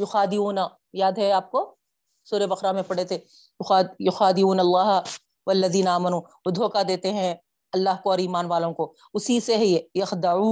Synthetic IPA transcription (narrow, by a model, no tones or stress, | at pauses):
jʊxaːd̪ɪuːna | jaːd̪ɦɛaːp̚ko | suːɾebɐxɾamẽpɐɽet̪ʰe | jʊxaːjʊxaːd̪ɪuːnɐlːaːɦ | wɐlːɐðiːnaaːmɐnuː | od̪ʱoːkad̪eːt̪eɦɛ̃ | ɐlːaːɦkoɔːɾiːmaːnʋaːlõko | ʊsiseɦjejɐxd̪ɐuː